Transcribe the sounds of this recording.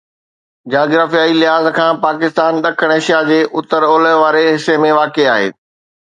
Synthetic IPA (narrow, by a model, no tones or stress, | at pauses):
d͡ʑaːɡɾaːfijaːilɪɦaːzkʰãːpaːkɪst̪aːnɗɐkʰəɽ̃eʃijad͡ʑeːʔʊt̪əɾoːləʋaːɾeɦɪsemẽʋaːkeaːɦḛː